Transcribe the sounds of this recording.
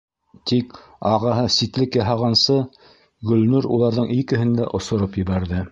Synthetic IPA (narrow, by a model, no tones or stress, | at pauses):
t̪ik | ɑʁɑɦɤsit̪lɘkjɑɦɑʁɑnsɤ | ɡɵ̆lnʉɾulˠɑɾðɤɴikɘ̆ɦɘnd̪æ̰ʔŏsŏɾopjɘ̆βæɾðɘ